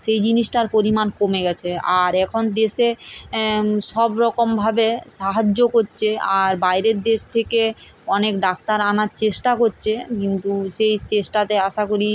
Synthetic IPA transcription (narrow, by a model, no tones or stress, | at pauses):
ʃejd͡ʑiniʃʈaɾpoɾimankomeɡɛt͡ɕʰeaɾɛkʰond̪eʃe | ʃɔbɾɔkombʱabeʃaɦad͡ʑːokoɾt͡ɕʰeaɾbajɾeɾd̪eʃt̪ʰekeɔnekɖak̚t̪aɾanaɾt͡ɕeʃʈakoɾt͡ɕʰekint̪uʃejt͡ɕeʃʈat̪eaʃakoɾi